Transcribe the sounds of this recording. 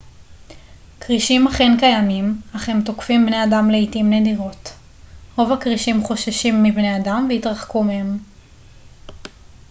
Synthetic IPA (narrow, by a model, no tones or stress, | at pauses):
kʁiʃimaχenkajamimaχemtokfimbneadamleitimnediʁo̞t | ʁo̞vakʁiʃimχo̞ʃaʃimːibne̞adamveitʁaχkumehem